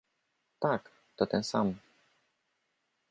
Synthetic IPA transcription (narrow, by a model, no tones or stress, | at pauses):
t̪ak | t̪ot̪ənsam